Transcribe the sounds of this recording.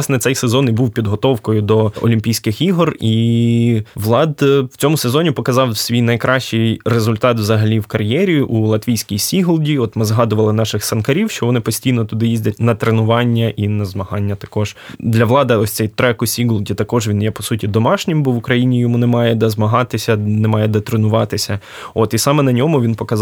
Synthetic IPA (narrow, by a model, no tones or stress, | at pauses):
snɛt̪sɛjsezɔnibuwpʲid̪ɦɔt̪ɔwkɔjʊd̪ɔɔ̰lʲimʲpʲijsʲkɪxiɦɔri | ʋlˠɑd̪w̥t͡sʲɔmʊsezɔnʲipɔkɐzɑwsʲʋʲijnɐjkɾʔɑʃt͡ʃɪjrezʊlʲt̪ɑt̪ʋzɐɦɐlʲiwkɐrjɛɾʲiʔulˠɐt̪ʋʲijsʲkʲijsʲiɦʊlˠdʲiɔt̪mɪzɦɑd̪ʊʋɐlˠɪnɑʃɪxsɐnkɐɾʲiwʃt͡ʃɔʋɔnɪpɔsʲtʲijnɔt̪ʊd̪ɪjizʲdʲɐtʲnɐt̪ɾenʊʋɑnʲːɐʔinɐzmɐɦɑnʲːɐt̪ɐ̥kɔʒ̥d̪lʲɐʋlˠɑd̪ɪɔsʲt̪sɛjt̪ɾɛkʊsʲiɦʊlˠdʲit̪ɐkɔʒʋʲinjɛpɔsutʲid̪ɔmɑʃnʲɪmbɔʋʊkɾɐjinʲijɔmunɛmɑjɛd̪ɐzmɐɦɑt̪ɪsʲɐnɛmɑjɛd̪ɐt̪ɾenʊʋɑt̪ɪsʲɐ | ɔt̪isɑmɛnɐnʲɔmʊʋʲinpɔkɐz